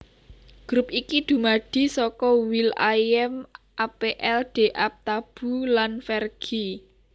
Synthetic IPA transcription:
ɡ̥ɾupikid̪̥ṳmaɖ̥i̤sɔkɔwila̰jɛmʔapeʔɛlɖ̪̥e̤ʔap̚t̪ab̥ṳlanfɛrɡ̥i

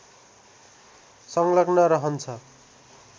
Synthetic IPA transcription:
sʌŋlʌɡnʌɾʌɦʌnt͡sʰʌ

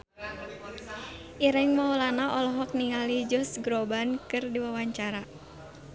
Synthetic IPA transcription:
ʔiɾɛŋmawlanaʔɔlɔɦɔk̚niŋalid͡ʒʊsɡɾobankɨrdiwawaɲt͡ʃaɾa

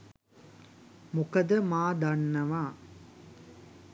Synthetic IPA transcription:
mʊkɐd̪ɐmaːd̪ɐɳːɐʋãː

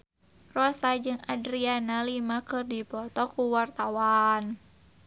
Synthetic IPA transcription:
rɔsad͡ʒɨŋadɾianalimakɨrdipɔt̪ɔkuwart̪awan

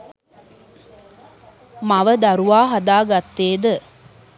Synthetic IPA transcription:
maʋəd̪aɾuʋaːɦad̪aːɡat̪ːeːd̪ə

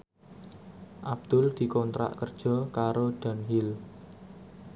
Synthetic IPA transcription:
ʔab̚d̪̥ʊ̤ld̪̥i̤kɔnt̪ɾa̰ʔkərd̥ʒ̥ɔ̤kaɾoɖ̪̥a̤nɦɪl

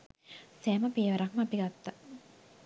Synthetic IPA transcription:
sɛːmɐpeːʋɐɾakmapiɡat̪ːa

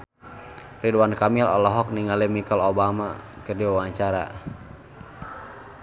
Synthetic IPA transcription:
riduankamilɔ̰lɔɦɔk̚niŋalimikɔlobama̰ | kɨrdiwawaɲt͡ʃaɾa̰

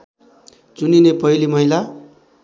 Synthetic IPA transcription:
t͡suninepʌilimʌɦila

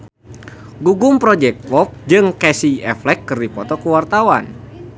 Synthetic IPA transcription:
ɡuɡʊmpɾɔd͡ʒɛk̚t̪wɔp̚d͡ʒɨŋkɛsiɛflɛkːɨrdipɔt̪ɔkəwart̪awa̰n

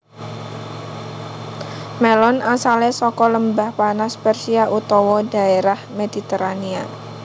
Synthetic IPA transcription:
mɛlɔnasalesɔkɔləmbahpanaspɛrsiaʔut̪ɔwɔda̤eɾahmedit̪eɾania

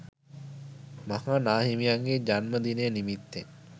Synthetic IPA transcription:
mɐhanaːɦimijaŋɡed͡ʒanməd̪ineːnimit̪ːe

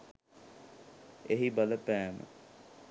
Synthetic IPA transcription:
eɦibaləpæːmə̰

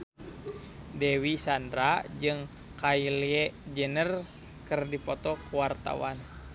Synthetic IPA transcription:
dɛwisandɾad͡ʒɨŋ | kailjɛd͡ʒənər | kɨrdipɔt̪ɔkuwart̪a̰wan

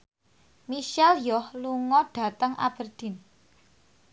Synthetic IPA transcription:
miʃɛljɔhluŋɔɖ̥a̤t̪əŋʔa̰b̥ərd̪̥i̤n

